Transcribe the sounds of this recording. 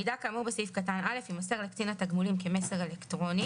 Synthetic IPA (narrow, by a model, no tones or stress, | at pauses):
id̪akaːmubesifkatanʔale̞fimaseʁlekt͡sinat̪aɡmulimkemese̞ʁelekt̪ʁo̞ni